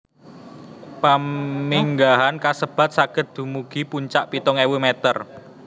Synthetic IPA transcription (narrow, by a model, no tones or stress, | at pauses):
pamiŋɡaɦankasəb̥ä̤t̪̚saɡ̥ə̤t̪̚d̪̥ṳmuɡ̥i̤puɲt͡ʃaʔpit̪ɔŋewumet̪ər